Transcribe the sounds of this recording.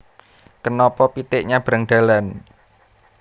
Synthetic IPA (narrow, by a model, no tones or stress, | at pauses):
kənɔpɔpit̪ɪʔɲab̥ɾa̤ŋɖ̪̥a̤lan